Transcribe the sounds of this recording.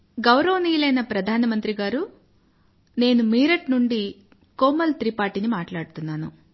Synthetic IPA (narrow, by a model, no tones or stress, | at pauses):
ɡɐwɾɐʋɐniːlɐjnɐpɾɐd̪ʱaːnɐmɐnt̪ɾiɡaːɾu | ne̞ːnumiːɾɐʈnuɳɖi | koːmɐlt̪ɾipaːʈinimaːʈlaːɽut̪unːaːnu